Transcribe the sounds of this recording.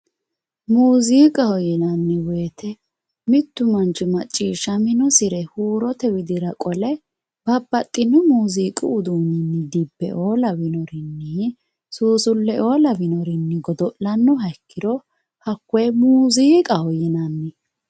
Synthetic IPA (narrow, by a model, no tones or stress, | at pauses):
muːziːkʼɐhɔjɛnɐnːɪweːt̪ʰɛ | mɪt̪ːʊmɐnt͡ʃːɪmɐt͡ʃʼːiːʃːɐmɪnɔsɪɾɛhuːɾɔt̪ɛwɪd̪ɪɾɐkʼɔlɛ | b̥ɐbːɐt̪ʼːɪnːʊmuːziːkʼɪʊd̪unɪnːɪd̪ɪbːɛ̰ʔoːlɐwɪnɔɾɪnːɪ | suːsʊlːɛʔo̞ːlɐvɪnɔɾɪnːɪɡɔd̪ɔʔlɐnːɔhɐɪkːɪd̪ɔ | hɐkːɛjmuːziːkʼɐhɔjɛnɐnːɪ